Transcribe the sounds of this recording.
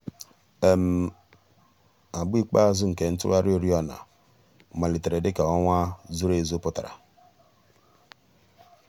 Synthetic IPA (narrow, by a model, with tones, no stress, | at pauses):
e˨m̩˨ | a˨bi˦k͡pa˦zʊ˦ŋ̩˨ke˨n̩˦tʊ̰˦ɾa˦ɾɪ˦o˦ɾi˦ɔ˦na̰˨ | ma˨li˨te˨ɾe˨dɪ˦ka˨ɔ˦ŋʷa˦zu˦ɾe˦˨zo˦pʊ˦ta˨ɾa̰˨